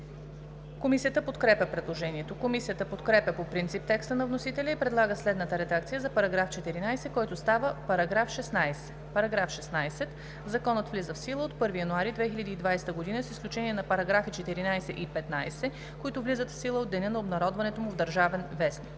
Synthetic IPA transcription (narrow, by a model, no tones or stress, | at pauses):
komisijət̪əpot̪kɾɛpʲəpɾɛd̪lˠoʒɛniɛt̪okomisijət̪əpot̪kɾɛpʲəpopɾint̪sip̚t̪ɛkst̪ənɐvnosit̪ɛlʲɐipɾɛd̪lˠaɡəslɛd̪nət̪əɾɛd̪akt̪sijəzɐpɐɾɐɡɾaft͡ʃɛt̪iɾinajsɛkɔjt̪ʊst̪avəpɐɾɐɡɾafʃɛsnajsɛ̥ | pɐɾɐɡɾafʃɛsnajsɛt̪ | zɐkɔnət̪vlizəfsilˠəot̪pɤɾvijɐnʊaɾid̪vɛxilʲəd̪iːd̪vajst̪əɡod̪inəsi̥sklʲut͡ʃɛniɛnɐpɐɾɐɡɾafit͡ʃɛt̪iɾinajsɛʔipɛt̪najsɛ | koit̪ʊvlizət̪fsilˠəod̪ːɛnʲənɐobnɐɾɔd̪vɐnɛt̪omʊvd̪əɾʒavɛnvɛsnik